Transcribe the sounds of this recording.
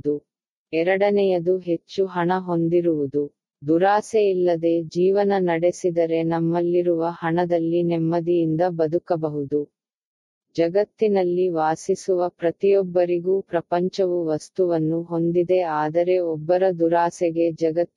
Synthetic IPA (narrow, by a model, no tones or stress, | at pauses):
u | ɛɾɐɽɐnɛjɐd̪uɦe̞t͡ʃːuɦɐɳɐɦo̞nd̪iɾuʋud̪u | d̪uɾaːseilːɐd̪e̞ːd͡ʒiːʋɐnɐnɐɽe̞sid̪ɐɾe̞nɐmːɐlːiɾuʋɐhɐɳɐd̪ɐlːinɛmːɐd̪ijind̪ɐbɐd̪ukɐbɐɦud̪u | d͡ʒɐɡɐt̪ːinɐlːiʋaːsisuʋɐpɾɐt̪ijɔbːɐɾiɡuːpɾɐpɐɲt͡ʃɐʋuʋɐst̪uʋɐnːuɦo̞nd̪id̪e̞aːd̪ɐɾe̞ɔbːɐɾɐd̪uɾaːsɛɡe̞d͡ʒɐɡɐt̪ː